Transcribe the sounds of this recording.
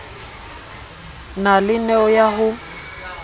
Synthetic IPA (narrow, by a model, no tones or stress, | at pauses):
nalɪnɛɔjaɦʊ